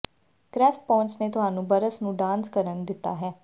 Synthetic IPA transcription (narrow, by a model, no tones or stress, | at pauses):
kɾɛːfʈ̚pɔ̃ːɲt͡ʃneːt̪ʊɦaːnũːbəɾəsnũːɖãːnskəɾənd̪ɪt̪ːa̰ːɦɛː